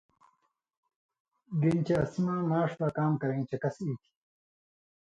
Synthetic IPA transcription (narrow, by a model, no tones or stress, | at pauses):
ɡint͡ɕeɐsimãːmaːʂbakaːmkɐɾẽːt͡ɕekɐsiːkʰi̥